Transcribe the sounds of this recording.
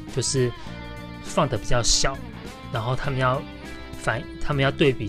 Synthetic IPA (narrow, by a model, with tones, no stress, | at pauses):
t͡ɕjo˥˧ʊʂɻ̩˥˧ | fɑ˥˩ŋd̪ə˩pi˨˩t͡ɕjɑ˥˧ʊɕjɑ˨˩˦ʊ | na˧˥nxo˥˩ʊt̪ʰa˥mə˨njɑ˥˩ʊ | fa˨˩nt̪ʰa˥mə˨njɑ˥˧ʊt̪we˥˩ɪpi˨˩